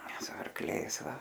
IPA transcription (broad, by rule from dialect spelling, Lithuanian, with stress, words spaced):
sʊ ɐrkˈlʲɛɪs ˈʋɐ